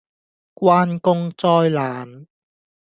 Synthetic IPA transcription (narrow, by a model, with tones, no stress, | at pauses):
kwaː˥nkʊ˥ŋt͡sɔː˧jlaː˨n